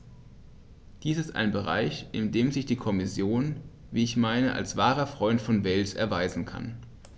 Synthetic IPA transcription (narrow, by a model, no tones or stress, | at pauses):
d̥iːsɪsta̰ɪnbəʁa̰ɪçʔɪndeːmzɪçd̥iːkʰɔmɪsjoːn | viːɪçmaɪnəʔa̰lsv̥aːʁɐfʁ̥ɔʏntfɔnvɛlsɛ̰ɐvaɪzn̩kʰa̰n